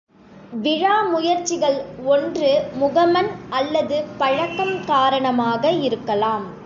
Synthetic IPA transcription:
ʋɪɻaːmʊjɐɾt͡ʃːɪɣɐɭɔndrɯmʊɣɐmɐnɐlːɐðɯpɐɻɐkːɐmkaːɾɐɳɐmaːɣɐɪɾɯkːɐlaːm

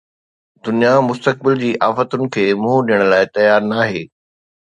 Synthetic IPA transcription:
d̪ʊnijamʊst̪ək̚bɪld͡ʑiːʔaːfət̪ʊnɪ̆kʰeːmũɦɗijəɽ̃laːɪt̪ɐjaːɾnaːɦeː

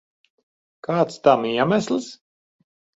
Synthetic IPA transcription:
kaːt̪st̪amiɛmæslˠs

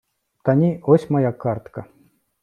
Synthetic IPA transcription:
t̪anʲiosʲmɐjakart̪ka

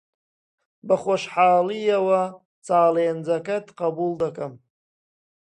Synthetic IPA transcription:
baχʷaʂħaːlijawa | t͡sʼaːleːnd͡zakʰʼatʰʼqabuldakʼam

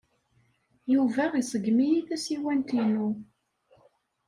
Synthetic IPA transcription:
juvæʁisˤəɡmijiθæsiwænt̪inu

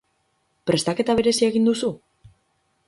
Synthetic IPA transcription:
pɾe̞st̪ake̞t̪aβ̞e̞ɾe̞sie̞ɣind̪usu

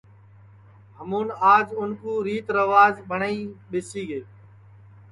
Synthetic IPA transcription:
ɦəmuːnaːd͡ʒʊnkuːɾiːt̪ɾəʋaːzbʱəɳaiːɓɪsiːɡeː

